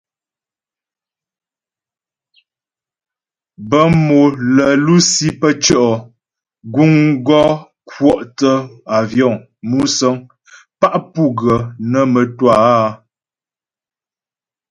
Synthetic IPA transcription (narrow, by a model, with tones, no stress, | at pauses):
bə˦mo˨lə˨lu˦si˦pə˦t͡ʃə˦˨ʔɔ˨ | ɡu˦ŋɡɔ˦ | kwɔ˦ʔtə˦a˨vjɔ˦˨ŋ | mu˦sə˦ŋ | pa˦ʔpu˦ɡə˨nə˨mə˨twa˦˨˦